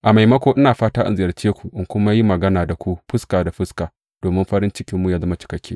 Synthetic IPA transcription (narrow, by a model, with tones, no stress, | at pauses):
ʔa˨ma˨jmɐ˦kʷoː˦ʔɪ˦naː˨ɸaː˦taː˦ʔa̰˦nzɪ˨jɐ˨rt͡ʃeː˦kʷu˨ʔɪ˦ŋkʷʊ˦ma˦ji˦mɐ˨ɡɐ˦naː˨da˨kʷu˦ɸʊ˦skaː˨da˨ɸɪ˦skaː˨ | d̥oː˨mɪ˦mɸɐ˦ɾɪ˦nt͡ʃɪ˦kʲɪ˦mːuː˦ja˨zɐ˦ma˦t͡ʃɪ̥˨kɐ˦kʲʰːeː˦